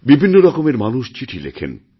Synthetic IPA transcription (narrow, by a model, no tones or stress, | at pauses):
bibʱinːoɾɔkomeɾmanuʃt͡ɕiʈʰilḛkʰḛn